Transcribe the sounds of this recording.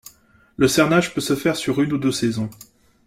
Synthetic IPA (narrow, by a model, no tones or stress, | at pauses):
ləsɛʁnaʒpøsəfɛʁsyʁynud̪øsɛzɔ̃